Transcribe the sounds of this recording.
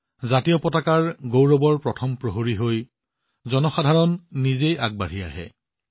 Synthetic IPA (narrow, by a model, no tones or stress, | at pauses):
zatijɔpɔtakaɹɡowɹɔbɔɹpɹɔtʰɔmpɹoɦoɹiɦoj | zɔnɔxadʱaɹɔnːizejaɡ̚baɹ̤ia̰ɦɛ̰